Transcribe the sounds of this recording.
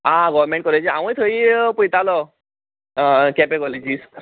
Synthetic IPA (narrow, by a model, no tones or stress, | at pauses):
ãɡɔʋɾmẽɳʈ̚kɔled͡ʑiã̰ʋũjt̪ʰəiːpujt̪alɔ | kɛpekɔled͡ʑis